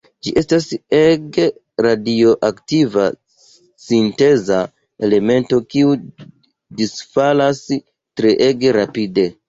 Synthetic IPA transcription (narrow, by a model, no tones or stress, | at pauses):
d͡ʒiʔe̞staseɡ | ɾadio̞ʔaktiva̰ | sinte̞za | e̞le̞me̞nto̞kiu | disfalas | tɾeʔeɡeɾapide̞